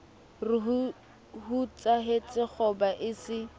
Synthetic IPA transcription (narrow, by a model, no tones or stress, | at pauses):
rɪ | hut͡sʼaɦet͡sʼɪk͡xʰɔbaʔɪsɪ